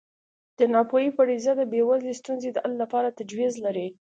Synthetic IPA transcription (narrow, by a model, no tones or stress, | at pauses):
d̪̥ənɑpojipaɽizad̪əbewazlest̪unzed̪əʔallapɑɾat̪ad͡ʒwizlaɾi